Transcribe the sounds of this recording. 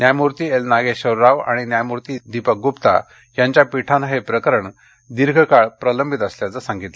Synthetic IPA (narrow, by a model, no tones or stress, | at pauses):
njajmuɾt̪iːelnaɡeɕəwɾaʋa̰ɽ̃injajmuɾt̪id̪ipək̚ɡupt̪a̰ | jaɲt͡ɕjapiʈʰanɦepɾəkəɾəɳ | d̪iɾɡʱəkaɭpɾələmbʱit̪əsljat͡səsãŋɡit̪lə